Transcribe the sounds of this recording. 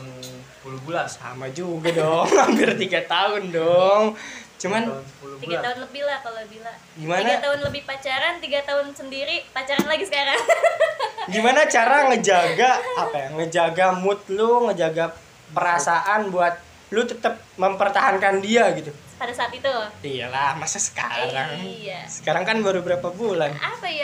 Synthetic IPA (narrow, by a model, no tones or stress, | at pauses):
sə̥pulubulasa̰mad͡ʒuɡadɔŋampɪrt̪iɡat̪aɦʊndɔŋt͡ʃumanpulut̪iɡat̪aʊnləbilak̪alobila | ɡimainaɡat̪aɦʊnləbɪhpat͡ʃaɾant̪iɡat̪aʊnsəndiɾipat͡ʃaɾanlaɡisəkaɾaŋ | ɡimanat͡ʃaɾaŋəd͡ʒaɡaːpajaŋəd͡ʒaɡamʊt̪̚luŋəd͡ʒaɡa | pəɾasaʔanbuat̪̚ | lʊt̪ət̪əp̚məmpərt̪aɦankandiaɡit̪u | padasaat̪it̪uia̰lahmasasə̥kaɾaŋijasə̥kaɾaŋkanbaɾubəɾapabulanʔapaja